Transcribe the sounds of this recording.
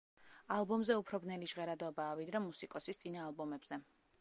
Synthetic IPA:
alˠbɔmzɛupʰɾɔbnɛliʒʁɛɾad̪ɔbaːvid̪ɾɛmusikʼɔsist̪sʼinaːlˠbɔmɛbz̥ɛ

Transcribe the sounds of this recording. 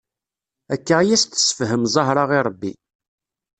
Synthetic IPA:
ækːaʁjæst̪ə̥sə̥fɦəmzˤɑɦɾˤɑʁiɾˤəbːḭ

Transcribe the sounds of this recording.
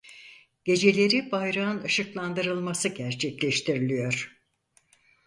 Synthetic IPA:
ɟ̥e̞d͡ʒe̞lʲe̞ɾibajɾaɯnɯʃɯklˠand̪ɯɾɯlˠmasɯɟæɾt͡ʃʰɛclʲɛʃt̪ʰiɾilʲijo̞ɾ̥

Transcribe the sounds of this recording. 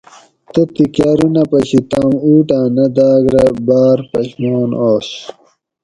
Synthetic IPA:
t̪ɐt̪ikjaːɾunɐpɐɕit̪amuːʈãːnɐd̪aːɡɾɐbaːɾpɐɕmoːnoːɕ

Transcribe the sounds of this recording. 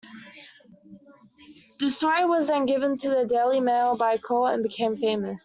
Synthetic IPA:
ðəstɔɹiwɒzðə̃nɡɪvə̃ntʰəðədeɪlˠimeɪlˠbaɪkʰɔːə̃nbɨkʰẽɪ̃ɱfẽɪ̃məs

